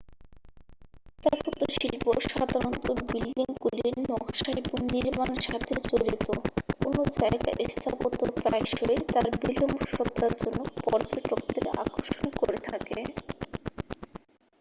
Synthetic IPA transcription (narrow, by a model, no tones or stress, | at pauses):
t̪aɾpɔt̪oʃilpoʃad̪ʱaɾont̪obiliŋkuliinnɔkʃaipuniɾmaneʃat̪ʰed͡ʑoɾit̪oo̰nod͡ʑaeɡa̰ʔest̪ʰapot̪opɾajʃoet̪aɾbilomoʃɔt̪ːɾaɾd͡ʑonːopɔɾd͡ʑoʈok̚d̪ḛɾa̰koʃonkoɾet̪ʰake